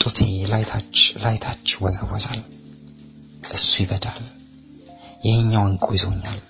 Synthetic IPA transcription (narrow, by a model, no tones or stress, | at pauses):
t̪ʼut̪ʰelajt̪ʰat͡ʃlajt̪ʰat͡ʃːɪwɔzawɔzal | ʔɨsːujɪβəd̪al | jɛhɨɲːawŋkʼojɪzoɲːal